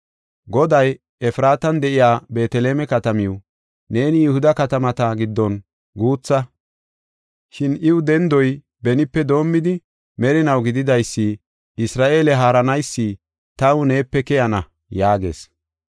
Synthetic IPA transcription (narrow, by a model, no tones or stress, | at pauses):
ɡɔd̪ɐj | ɛfɾaːt̪ɐnd̪ɛʔɪjaːbe̞ːt̪ɛleːmɛkɐt̪ɐmɪw | ne̞ːnɪjʊhʊd̪ɐkɐt̪ɐmɐt̪ɐɡɪd̪ːɔn | ɡuːt͡sːɐ | ʃɪnɪwʊd̪ɛnd̪ɔj | bɛnɪpːɛd̪o̞ːmːɪd̪ɪ | mɛɾɪnɐwɡɪd̪ɪd̪ɐjsːi | ɪsɾaːʔe̞ːlɛɦaːɾɐnɐjsːi | t̪ɐwʊne̞ːpːɛkɛjɐnɐ | jaːɡe̞̰ːs